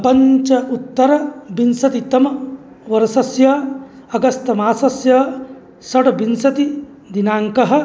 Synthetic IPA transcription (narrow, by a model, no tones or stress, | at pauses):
pɐɲt͡ʃɐʔut̪ːɐɾɐbinsɐt̪it̪ɐmɐ | ʋɐɾɐsɐsjɐ | ɐɡɐst̪ɐmaːsɐsjɐ | sɐʈɐbinsɐt̪i | d̪inaːŋkɐɦɐ̆